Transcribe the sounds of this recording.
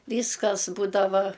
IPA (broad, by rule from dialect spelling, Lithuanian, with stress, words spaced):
ˈʋʲiːskɐs ˈbuːdɐʋɐ